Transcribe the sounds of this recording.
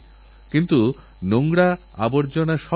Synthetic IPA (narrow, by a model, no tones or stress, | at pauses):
kint̪u | noŋɡɽa | a̰boɾd͡ʑonaʃɔ